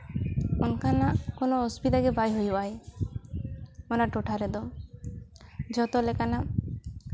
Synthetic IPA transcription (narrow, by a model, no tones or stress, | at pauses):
ɔnkʰanakonoɔspit̪aɡɛbajɦojaj | ɔnaʈɔʈʰaɾɛd̪ɔ | d͡ʒɔt̪olɛkana